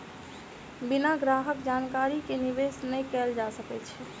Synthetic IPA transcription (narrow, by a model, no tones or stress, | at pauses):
binaɡɾaːɦəkd͡ʒankaːɾikeniʋesnəĩkɛld͡ʒasəkɛt͡ʃʰɛ